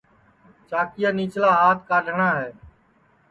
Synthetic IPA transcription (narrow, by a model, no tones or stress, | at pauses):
t͡ʃaːkɪjaːniːt͡ʃlaːɦaːt̪ʰkaːɖɳaːɦɛː